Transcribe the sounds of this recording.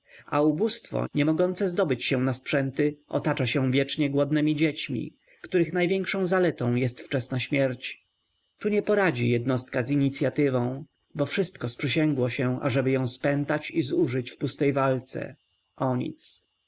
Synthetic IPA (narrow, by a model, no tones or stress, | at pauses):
a̰ubust̪fɔ̰ɲɛmɔɡɔnt̪sɛzd̪ɔbɘt͡ɕɕɛ̃naspʂɛnt̪ɘʔɔ̰t̪at͡ʂaɕɛ̃vʲjɛt͡ʂɲɛɡwɔd̪nɛmʲid͡ʑet͡ɕmʲḭ | kt̪uɾɘxnajvʲjɛŋkʂɔ̃w̃zalɛt̪ɔ̃w̃jɛst̪ft͡ʂɛsnaɕmʲjɛɾt͡ɕ | t̪uɲɛpɔɾad͡ʑḭjɛd̪nɔst̪̚kaziɲit̪sʲjat̪ɘvɔ̃w̃ | bɔfʂɘst̪kɔspʂɘɕɛŋɡwɔɕɛʔa̰ʐɛbɘjɔ̃w̃spɛnt̪at͡ɕizuʐɘt͡ɕfpust̪ɛjvalt̪sɛ̰ | ʔɔɲḭt̪s